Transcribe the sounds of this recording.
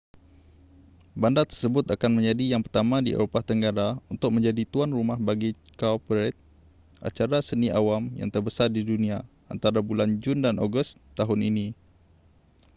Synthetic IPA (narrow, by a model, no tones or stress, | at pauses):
bandat̪ərsəbʊt̪akanmə̃ɲd͡ʒadijaŋpərt̪amãdiʔḛɾopat̪əŋɡaɾaunt̪ʊk̚mə̃ɲd͡ʒadit̪uanrumahbaɡi | kapɾɛt̪̚ | ʔa̰t͡ʃaɾasəniʔawamja̰ŋt̪ərbəsardidunĩa | ʔa̰nt̪aɾabuland͡ʒundano̰ɡʊst̪ːaɦʊninĩ